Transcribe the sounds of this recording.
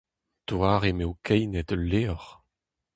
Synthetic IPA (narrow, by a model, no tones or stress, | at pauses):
t̪waːʁemewkʰɛjnɛt̪leːɔʁ